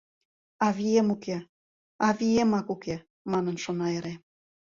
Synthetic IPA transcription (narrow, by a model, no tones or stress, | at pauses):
ɑβijemuke | ɑβiemɑkuke | mɑnənʃonɑeɾe